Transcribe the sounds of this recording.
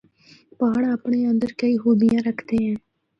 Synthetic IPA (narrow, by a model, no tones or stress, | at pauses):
paːɽaːpɳeːə̃nd̪əɾkəiːɦoːbɪjãːɾəkʰd̪eːɦɛ̃ː